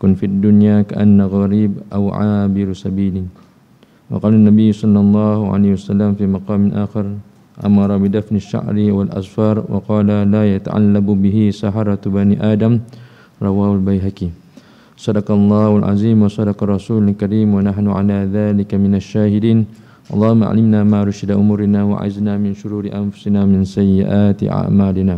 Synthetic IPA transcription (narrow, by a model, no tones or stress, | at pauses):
kʊnfiad̪ːʊnjaːka̰ʔa̰nːaɣɑɾiːbʔa̰wʕa̰ːbɪɾsabiːlɪ | wɑ̰qɑːlanːabɪjːsˤɑlːɑlˤːɑːhʕa̰lajhwasalːamfiːmɑqɑːmɪnʔaːxɪɾ | ʔa̰mɑɾˤɑbɪd̪afnaʃːa̰ʕɾɪwalʔa̰sˤfɑːɾˤwɑ̰qɑːlalaːjat̪a̰ʕa̰lːabbɪɦɪsaħɑɾˤɑt̪baniːʔaːd̪am | ɾˤɑwaːhʊlbajɦakiː | sˤɑd̪ɑqlˤːɑːhalʕa̰ziːmwɑsˤɑd̪ɑqɑrˤɑsuːlalkaɾiːmwanaħnʊʕa̰laːðaːlɪkamɪnaʃːaːhɪd̪iːn | ʔɑlˤːɑːhʊmːaʔʕa̰lɪmnaːmaːʔɾˤʃɪd̪aʔʊmuːɾɪnaːwa̰ʕɪ̰znaːmɪnʃʊɾuːɾɪʔa̰nfʊ̥sɪnaːmɪnsajːɪʔaːt̪ɪ̰ʔa̰ʕmaːlɪnaː